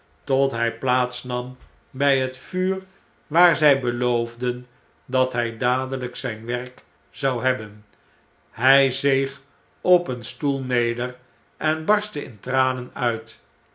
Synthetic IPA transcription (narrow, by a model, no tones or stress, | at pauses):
tɔtɦɛjplaːtsnɑm | bɛjɦətfyːr | ʋaːɹzɛjbəlowvdən | dɑtɦɛjdaːdələksɛjnʋɛrk | z̥ɑwɦɛbən | ɦɛjzejχ | ɔpənstulˠnejdər | ʔɛnbɑɹstəɪ̰ntraːnənœɥt